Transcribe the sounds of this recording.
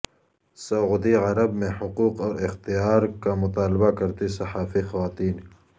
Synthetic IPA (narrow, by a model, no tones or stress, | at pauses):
sɐʊd̪iʕɐɾɐbmẽħʊquːqɔːɾɪxt̪ijaːɾkamʊt̪aːlbakɐɾt̪isɐħaːfixɐwaːt̪iːn